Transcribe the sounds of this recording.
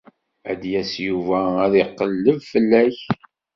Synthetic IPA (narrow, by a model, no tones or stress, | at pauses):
æ̰d̪jæsjuvææðiqːəlːəvfəlːæç